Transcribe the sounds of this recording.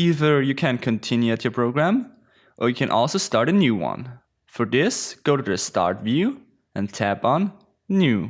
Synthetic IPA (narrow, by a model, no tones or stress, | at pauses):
iðə˞jɨkʰæ̃nkʰɨ̃ntʰɪ̃njʉætjəpʰɹ̥oʊɡɹæ̃m | ʔə˞jɨkʰɨ̃nʔɔ̰lˠsoʊstɑɹɾɨnjʉwʌ̰̃n | fə˞ðɪsɡ̥oʊɾɨðɨstɑ̰ɹtvjʉ | ɨ̃ntʰæpn̩ | njʉ